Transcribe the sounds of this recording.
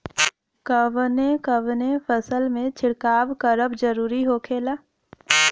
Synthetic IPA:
kəʋnẽkəʋnefʰəsəlmẽt͡ʃʰɪɽkaːʋkəɾəbd͡ʒəɾuːɾiɦoːkʰeːlaː

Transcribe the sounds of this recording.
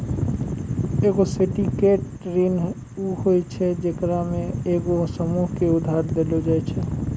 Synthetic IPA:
eɡosiʈikeʈ | ɾin | uɦojt͡ʃʰed͡ʒekɾamẽeɡosɔmuɦkeud̪ʱaɾd̪elod͡ʒajt͡ʃʰe

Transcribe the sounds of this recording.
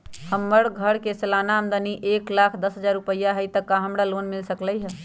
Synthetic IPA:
həmːəɽɡʱəɽkesəlanaəmd̪aniʔeklakʰd̪əsɦəd͡ʒaɾːupəjːaɦət̪əkːaɦəmɽalonmilsəkləjɦə

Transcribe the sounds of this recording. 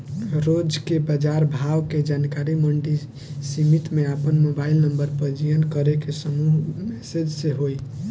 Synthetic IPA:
ɾod͡ʒkebəd͡ʒaɾbʱaʋked͡ʒankaɾiməɳɖi | simit̪meapənmobailnəmbəɾpəd͡ʒijənkəɾekesəmuɦmɛsed͡ʒseɦoj

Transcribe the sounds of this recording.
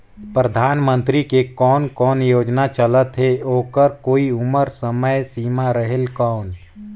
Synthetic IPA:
pɾəd̪ʱaːnmə̃nt̪ɾikekɔːnkɔːnjoːd͡ʒnat͡ʃələt̪ɦeoːkəɾkoːiʊməɾsəməjsiːmaɾəɦelkɔːn

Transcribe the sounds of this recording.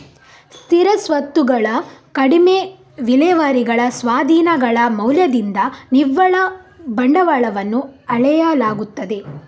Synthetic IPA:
st̪ʰiɾɐsʋɐt̪ːuɡɐɭɐkɐɽime | ʋilɛːʋaːɾiɡɐɭɐsʋaːd̪ʱiːnɐɡɐɭɐmɐwljɐd̪ind̪ɐniʋːɐɭɐbɐɳɖɐʋaːɭɐʋɐnːuɐɭɛjɐlaːɡut̪ːɐd̪e̞

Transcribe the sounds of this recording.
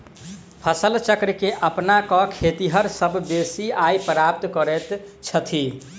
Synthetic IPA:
pʰəsəlt͡ʃəkɾkeʔəpnakɔkʰet̪iɦəɾsəbʱbesiajpɾap̚t̪kəɾɛt̪t͡ʃʰət̪ʰi

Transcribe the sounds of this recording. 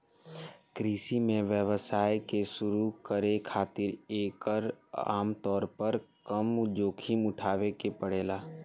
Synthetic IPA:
kɾiːsimẽʋjəʋəsaːjkesʊɾukəɾekʰaːt̪ɪɾeːkəɾa̰ːmt̪ɔːɾpəɾkəmd͡ʒoːkʰimʊʈʰaːʋekepəɽeːlaː

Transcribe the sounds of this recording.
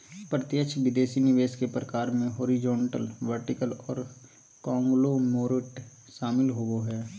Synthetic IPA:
pɾət̪jət͡ʃʰʋɪd̪eːsinɪʋeːskepɾəkaːɾmẽɦoːɾɪd͡ʒõːɳʈə̰lʋəɾʈɪkəlɔːɾ | kɔ̃ːŋɡlomoːɾɪʈ | ʃaːmɪlɦoɡoɦɛː

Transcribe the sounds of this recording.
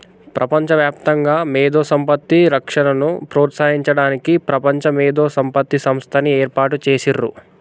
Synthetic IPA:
pɾʔɐpɐɲt͡ʃɐʋjaːpt̪ɐŋɡaːmeːd̪oːsɐmpɐt̪ːiɾɐkʂɐnɐnupɾoːt̪saːɦiɲt͡ʃɐɽaːnikipɾɐpɐɲt͡ʃɐmeːd̪oːsɐmpɐt̪ːisɐmst̪ʰɐnieːɾpaːʈut͡ʃeːsirːṵ

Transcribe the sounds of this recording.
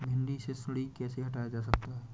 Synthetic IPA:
bʱɪ̃ɳɖisesʊɽikɛːseɦɐʈaːjad͡ʒaːs̬ɐk̚t̪aɦɛː

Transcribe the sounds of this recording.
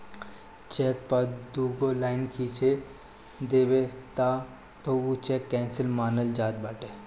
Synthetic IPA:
t͡ʃɛːk̚pɐd̪uːɡolaːɪnkʰiːt͡ʃʰe | d̪eːwet̪a | t̪out͡ʃɛːkːɛ̃ːnsəlmaːnəld͡ʒaːt̪̚baːʈeː

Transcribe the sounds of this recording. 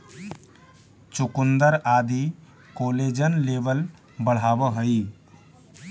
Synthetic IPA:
t͡ʃukund̪əɾad̪i | koled͡ʒənlebəl | bəɽ̤aːbəɦəi

